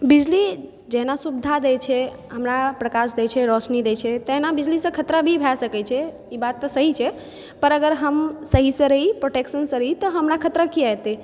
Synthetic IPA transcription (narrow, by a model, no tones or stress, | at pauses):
bid͡ʒli | d͡ʒeɦnasubd̪ʱad̪ɛt͡ʃʰɛ | ɦəmɾapɾəkas̬d̪et͡ʃʰɛɾɔsnid̪et͡ʃʰɛt̪eɦnabid͡ʒlisə̃kʰət̪ɾəbʱibʱasəkɛt͡ʃʰɛ | ibat̪ːɔsəɦit͡ʃʰɛ | pəɾəɡəɾɦəmsəɦisə̃ɾəɦipɾoʈeksənsə̃ɾəɦit̪ɔɦəmɾakʰət̪ɾəkiajt̪e